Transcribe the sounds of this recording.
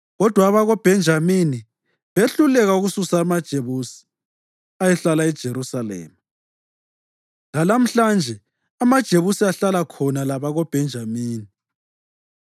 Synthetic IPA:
ɣɔd̥ʱwaːβaɣɔb̥ʱɛnd͡ʒʱamini | βeɬulɛɣauɣususaːmad̥ʒ̥ʱeβusi̥ | ajɛɬalaɛd̥ʒ̥ʱeɾusalɛ̰ːma | lalam̩ɬand͡ʒʱɛ | amad̥ʒ̥ʱeβusiaɬalakʰɔnalaβaɣɔb̥ʱɛnd͡ʒʱamiːni

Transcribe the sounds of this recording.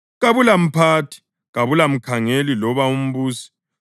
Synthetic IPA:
ɣaβulam̩pʰatʰi̥ | ɣaβulam̩kʰaŋelilɔβaum̩βuːsi̥

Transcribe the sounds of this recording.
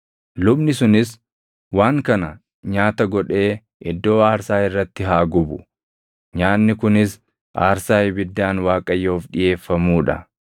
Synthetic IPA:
lʊbnɪsʊnɪs | waːŋkɐnɐ | ɲaːt̪ɐɡɔᶑe̞ː | ʔɪd̪ːo̞ːaːɾsaːɪrːɐt̪ːɪɦaːɡʊbʊ | ɲaːnːɪkʊnɪs | ʔaːɾsaːjɪbɪd̪ːaːnwaːkʼɐjːo̞ːfᶑɪje̞ːfːɐmuːᶑɐ

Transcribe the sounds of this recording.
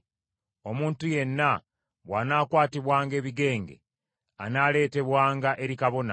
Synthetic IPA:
o̞muːntuje̞nːa | βwaːnaːkwaːtiβwaːŋɡe̞ːβiɡe̞ːŋɡe̞̰ | a̰naːle̞ːte̞βwaːŋɡaʔe̞ɾikaβo̞na̰

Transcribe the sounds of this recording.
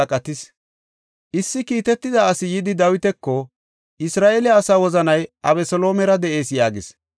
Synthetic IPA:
kʼɐt̪ɪs | ʔɪsːɪkiːt̪ɛt̪ːɪd̪ɐɐsɪjɪd̪ɪd̪ɐwɪt̪ɛkːɔ | ɪsɾaːʔelɛɐsaːwɔzɐnɐjʔɐβɛsɔlo̞ːmɛɾɐd̪ɛʔe̞ːsjaːɡɪs

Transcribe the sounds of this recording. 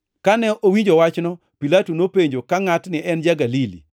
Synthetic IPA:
kanɛʔowiɲd͡ʒowat͡ʃnɔ | pilatunopeɲd͡ʒokaŋatnɪʔɛnd͡ʒaɡalilḭ

